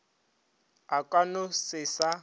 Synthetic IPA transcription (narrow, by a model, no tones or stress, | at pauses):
akʼwanʊsɪsa